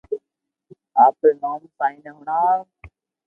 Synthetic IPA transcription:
aːpenaːmsaːĩːnəɦʊɳaː

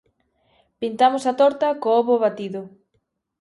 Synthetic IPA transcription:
pint̪amosɐt̪ɔɾt̪ɐkoɔβoβat̪iðʊ

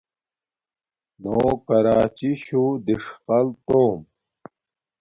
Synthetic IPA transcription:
noːkɐɾaːt͡ɕiɕud̪iʂqɐlt̪oːm

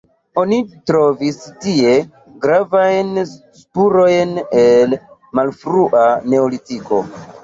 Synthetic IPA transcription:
o̞nitɾo̞vistie̞ | ɡɾavajnspuɾo̞jne̞lmalfɾuʔane̞olitiko̞̰

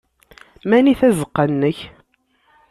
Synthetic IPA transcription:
mæniθæzəqːənːəç

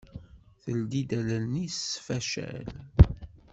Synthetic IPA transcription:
θəld̪id̪æləlnisfæʃæ̰l

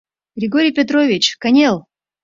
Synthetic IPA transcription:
ɡɾʲɪɡoɾʲɪjpʲɪt̪̬ɾovʲɪt͡ɕkɐnʲelˠ

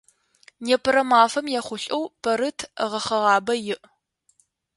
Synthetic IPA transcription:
neːpʰɨɾɐmaːfɐmjaχʷʊɕʼɐwpʰɐɾɨtʰʁɐχɐʁɑːbɐjɪʔ

